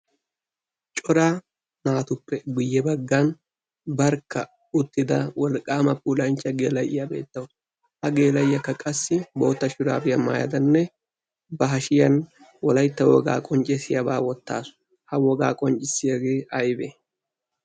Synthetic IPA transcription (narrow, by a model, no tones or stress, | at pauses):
t͡ʃʼɔɾaː | naːt̪ʊpːɛɡʊjːɛbɐɡːan | bɐɾkːɐ | ʊt̪ːɪd̪ɐwɔlkʼːaːmɐpuːlɐnt͡ʃːɐɡeːlɐjʔɪjɐbe̞̰ːt̪ːɐw | hɐɡeːlɐjjɐkːɐkʼɐsːɪbo̞ːt̪ːɐʃʊɾaːbɪjɐma̰ːjɐ̰d̪ɐnːɛ | bɐɦɐʃɪjɐn | wɔlɐjt̪ːɐwɔ̰ɡa̰ːkʼɔnt͡ʃʼɛsɪjɐbaːwɔt̪ːa̰ːsʊ̥ | hɐwɔɡa̰ːkʼɔnt͡ʃʼɪsɪjɐɡeːʔɐjbe